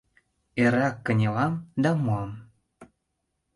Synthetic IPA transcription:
eɾɑkːə̆nʲelɑmd̪ɑmuɑm

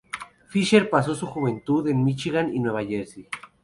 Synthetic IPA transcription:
fiʃeɾpaso̞suxuβe̞nt̪uðe̞nmit͡ʃiɣaninweβaʝeɾsi

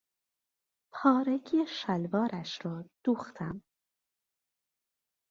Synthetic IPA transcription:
pʰɒːɾeɡʰiːeʃælvɒːɾæʃɾɒːd̪̥uːxt̪ʰæm

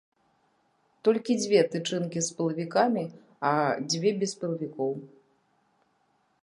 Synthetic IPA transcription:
t̪ɔlʲkʲid͡zʲvʲɛt̪ɨt͡ʂɨnkʲispɨlˠɐvʲikamʲi | ɐd͡zʲvʲɛbʲɛspɨlˠɐvʲikɔw

